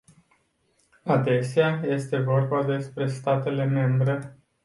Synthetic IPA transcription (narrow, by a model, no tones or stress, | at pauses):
ad̪e̞seaje̞st̪e̞vo̞rbad̪e̞spɾe̞st̪at̪e̞le̞me̞mbɾe̞